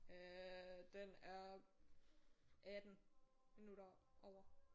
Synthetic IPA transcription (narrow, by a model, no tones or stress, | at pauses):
ød̥enæɐ | ʔæd̥n̩ | minuɾɐʔɒʊ̰ɐ